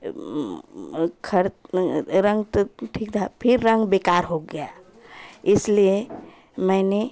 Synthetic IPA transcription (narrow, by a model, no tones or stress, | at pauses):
kʰɐɾ | ɾə̃ŋɡt̪oʈʰiːk̚t̪ʰapʰɪɾːə̃ŋɡbeːkaːɾɦoɡɐjaː | ɪslie | mɛ̃ːne